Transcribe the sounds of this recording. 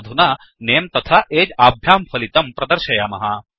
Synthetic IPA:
d̪ʱuna | neːmt̪ɐt̪ʰaʔeːd͡ʒaːbʱjaːmfʰɐlit̪ɐmpɾɐd̪ɐɾʃɐjaːmɐɦa

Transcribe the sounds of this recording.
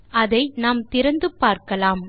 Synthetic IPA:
ɐðɐɪnaːmt̪ɪɾɐnd̪ɯpːaːɾkɐlaːm

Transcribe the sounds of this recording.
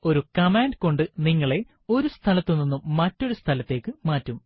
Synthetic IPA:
o̞ɾukɐmaːnɖko̞ɳɖɨniŋːɐɭe̞ | o̞ɾust̪ʰɐlɐt̪ːunːinːumːɐtːo̞ɾust̪ʰɐlɐt̪ːe̞ːkːɨmaːtːum

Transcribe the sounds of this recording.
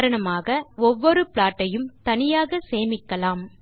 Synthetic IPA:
ɾɐɳɐmaːɣɐɔʋːɔɾɯpɪɭaːʈːɐjɯmt̪ɐnɪjaːɣɐseːmɪkːɐlaːm

